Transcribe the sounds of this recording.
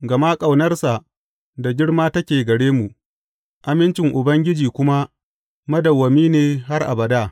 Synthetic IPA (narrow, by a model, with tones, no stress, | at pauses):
ɡɐ˨ma˦kʼa˨wnɐ˦rsa˨ʔ | da˨ɡʲɪ˦ɽmaː˦tɐ˦kʲeː˨ɡɐ˨ɽeː˦mu˨ʔ | ʔa˨mɪ˦nt͡ʃɪ˨ŋʔʊ˨bɐ˦ŋɡʲɪ˦d͡ʒiː˨kʷʊ˦ma˦ | mɐ˦dɐ˨wːɐ˨miː˦neː˨ɦa˦rʔa̰˨bɐ˨da˦˨